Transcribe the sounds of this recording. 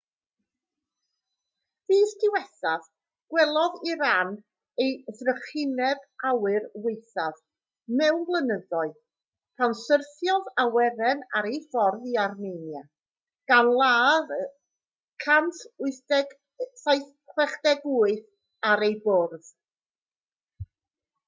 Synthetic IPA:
v̥iːstʰɪwɛθað | ɡ̥wɛlˠɔðiɾan | ejðrəχɪnɛbawɨrwɪɨθað | mɛwnvlˠənəðɔɨ | pʰansərθjɔðawɛɾɛnaɾejfɔrðiarmenja | ɡ̥anlˠaːð | kʰantʰʊɨθ | sajθ | kʰwɛχd̥ɛɡuːɨθ | aɾejbʊrð̥

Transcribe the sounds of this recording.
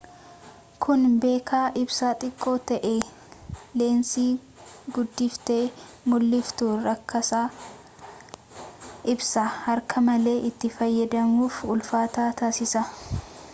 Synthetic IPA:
kʰʊnbe̞ːkʰaːʔɪbsaːt̪ʼɪkʼːo̞ːt̪ɐʔe | le̞ːnsiː | ɡʊd̪ːɪft̪eː | mʊlːɪft̪uːɾːɐkʰːɐsaː | ʔɪbsɐhɐɾkʰɐmɐle̞ːʔɪt̪ːɪfɐjːɐd̪ɐmuːfʊlfaːt̪aːt̪aːsɪsɐ

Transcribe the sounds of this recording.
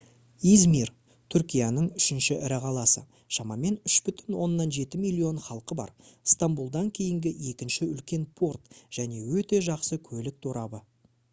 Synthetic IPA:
izmir | t̪ʰʏɾkʲijɑnəɴʏʃɪnʃɪʔɪɾɪqʰɑlˠɑsə̰ | ʃɑmɑme̞nʏʃbʏt̪ɪnwo̞nːɑnʒe̞t̪ɪmijlʲˠːio̞nχɑlˠqəbɑ̰ɾst̪ambulˠd̪ɑŋkʲʰe̞jɪŋɡʲɪe̞kʲɪnʃɪʏlkʲe̞npʰo̞rt̪ʒ̥æne̞wɵt̪e̞ʒɑqsəkʲʰɵlɪk̚t̪ʰoɾɑbə

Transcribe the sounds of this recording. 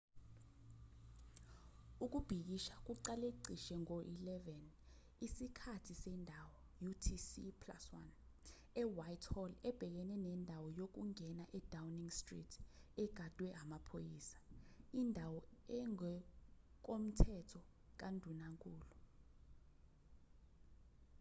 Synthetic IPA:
uk̬ʼub̥ʱik̬iʃak̬ʼuǀaleǀiʃɛŋoʔilɛvɛn | isikʰatʰisɛndʱawɔ | jutʰisipʰla̰swa̰n | ɛwajtʰhɔlɛb̥ʱɛk̬ɛnɛnɛndʱawɔjok̬uŋʱɛnaʔɛd̥ʱawniŋstrḭtʰɛɡ̥ʱad̥ʱwɛʔamapʰojiːsḁindʱawɔɛŋɛ | k̬om̩tʰɛtʰɔ | k̬andʱunaŋkʼuːlu

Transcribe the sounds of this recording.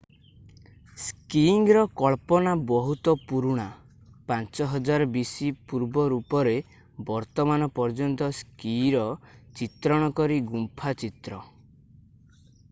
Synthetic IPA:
skiŋɾɔkɔɭpɔnabɔɦut̪ɔpuɾuɽ̃a | pant͡ʃɔɦɔd͡ʒaɾɔbisipuɾbɔɾupɔɾe | bɔɾt̪ɔmanɔpɔɾd͡ʒɔnt̪ɔskiɾɔt͡ʃit̪ɾɔɽ̃ɔkɔɾiɡumpʰat͡ʃit̪ɾɔ

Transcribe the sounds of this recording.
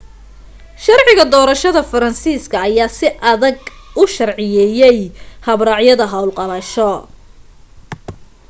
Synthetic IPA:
ʃɐrʕɪɣɐd̪ɔːɾɐʃɐðɐfɐɾɐnsiːskʰɐːjaːsɪʔɐðɐɡʔʊʃɐrʕɪjɛːjɛjhɐβɾɑʕjɐðɐɦɐwlqɑlɐʃɔ

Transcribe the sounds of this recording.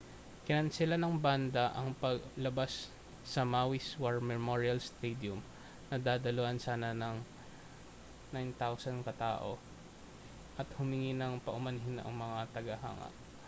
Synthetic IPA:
kɪnɐnsɪlanɐŋband̪ɐʔɐŋpɐɡlɐbasː | ɐmaːwiswɐɹmɛmoɹiɐlst̪ɛd̪jʊm | nɐd̪aːd̪ɐloʔɐnsaːnɐnɐŋ | najnt̪awsɐnkɐt̪a̰ːʔo̞̰ | ʔɐt̪hʊmɪŋɪnɐŋpɐʔʊmɐnɦɪnʔɐ̰ŋmɐŋat̪ɐɡɐɦa̰ːŋɐ̰ʔ

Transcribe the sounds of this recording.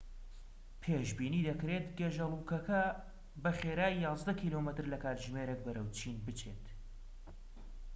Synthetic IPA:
pʰeːʒbiːniːd̪ɐkɾeːt̪ɡeʒɐlˠukɐkʰɐ | bɐχeːɾaːjjɑːzd̪ɐkʰiːlomɨt̪ɨɾlɐkʰaːt̪ʒmeːɾek̚bɐɾɐwt͡ʃʰinbɨt͡ʃʰeːt̪

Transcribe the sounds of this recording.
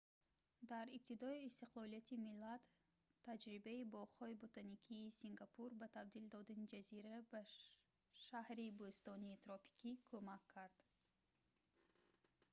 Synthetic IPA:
d̪aɾib̚t̪ʰid̪ɔiːst̪iqlˠɔlijat̪ʰimilat̪ʰː | ad͡ʒɾibaibɔχhɔibot̪ʰanikʰiːsiŋɡapʰuɾbat̪ʰabd̪ild̪ɔd̪anid͡ʒaziɾaba | ʃahɾibost̪ɔniːt̪ʰɾɔpʰi̥kʰikʰomakʰːaɾd̪̥

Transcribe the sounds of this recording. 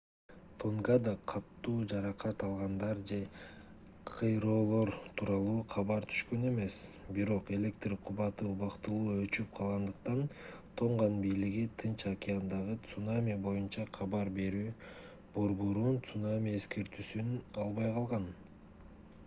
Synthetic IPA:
t̪ʰoŋɡad̪ɑqʰɑt̪ːuːd͡ʒɑɾɑqɑt̪ɑlˠʁɑnd̪ɑɾd͡ʒe̞ | qʰɯjɾo̞ːlˠo̞ɾt̪ʰuːɾɑlˠuːqʰɑβɑɾt̪ʰy̥ʃkø̞ne̞me̞s | biɾo̞qe̞lʲe̞k̚t̪riqʰuβɑt̪ɯuβɑqt̪ɯlˠuːø̞t͡ʃyp̚qʰɑlˠʁɑnd̪ɯqt̪ɑn | t̪ʰo̞ɴʁɑnbijliɡit̪ʰɯnt͡ʃakʲɪand̪ɑʁɯt̪sunamʲibo̞junt͡ʃɑqʰɑβɑɾbe̞ɾyː | b̥o̞ɾbo̞ɾunt̪sunamʲie̞ske̞ɾt̪ysynɑlˠβɑjqʰɑlˠʁɑn

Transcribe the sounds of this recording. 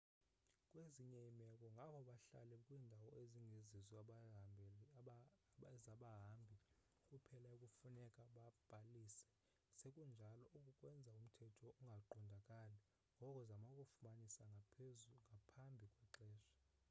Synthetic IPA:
kʼweziɲɛimɛkʼɔŋɡʱaɓʰɔɓaɬa̰lɛkʼwiːndʱawɔeziŋɡʱezizibʱ | zaɓaɦambʱi | kʼupʰɛlaukʼufunɛkʼaɓab̥ʱaliːsɛ̥ | sekʼund͡ʒʱalɔʔukʼukʼwɛnd͡zʱaum̩tʰɛtʰɔuŋɡʱaǃɔndʱakʼalɛ | ŋɡʱɔkʼɔzamakʼufumanisaŋɡʱaŋɡʱapʰambʱikʼwɛǃɛːʃa

